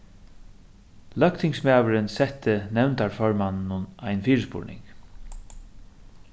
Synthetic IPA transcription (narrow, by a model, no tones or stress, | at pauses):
lœkt̪ʰɪŋsmaːvəɾɪnsɛht̪ːɪnɛwnt̪aɹfɔɹmannʊnajnfiːɹəspʊ̰ɹnɪ̰ŋk